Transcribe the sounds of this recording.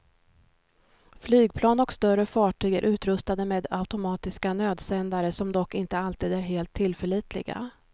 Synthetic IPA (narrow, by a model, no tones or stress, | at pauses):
flyːɡ̚pʰlɑːnɔkst̪œɾəfɑːʈʰyːɡə̰ɾʔʉ̟ːt̪ɾɵst̪ad̪əmeːd̪aʉt̪ʊmɑːt̪ɪskanøːd̪sɛnd̪aɾəsɔmd̪ɔkːɪnt̪əalt̪ʰiːd̪æɾɦeːlt̪ʰːɪlfəɭiːt̪ʰlɪ̰ɡa̰